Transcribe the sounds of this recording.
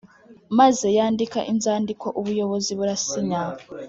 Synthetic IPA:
maze̞jaːndika̰ʔinzaːndiko̞ʔuβujo̞βo̞ziβuɾasiɲa

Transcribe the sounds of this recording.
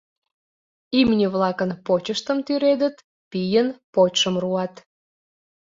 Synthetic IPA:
imnʲiβlɑkənpot͡ɕəʃt̪əmt̪yɾed̪ət̪ | pijənpot͡ɕʃəmruɑt̪

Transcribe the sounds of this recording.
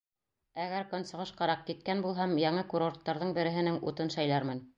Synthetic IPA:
æɡæɾkɵ̆nsɤ̆ʁɤʃqɑɾɑq̚kit̪̚kænbulˠɦɑmjɑɴɤkuɾort̪ːɑɾðɤɴbɘ̆ɾɘ̆ɦɘ̆nɘŋṵt̪ɤnʃæjlæɾmɘn

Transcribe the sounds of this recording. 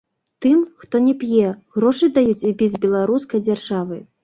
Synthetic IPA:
t̪ɨmxt̪ɔnʲɛpʲjɛɣɾɔʂɨd̪ajut͡sʲibʲid͡zʲbʲɛlˠaɾuskɐjd͡zʲarʐavɨ̰

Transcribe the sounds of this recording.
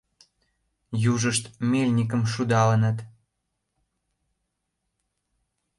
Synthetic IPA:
juʒəʃt̪melʲnʲik̬əmʃud̪ɑlənət̪

